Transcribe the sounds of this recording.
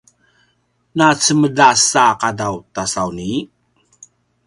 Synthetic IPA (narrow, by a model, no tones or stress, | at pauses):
nat͡səmədasaqadawtasawni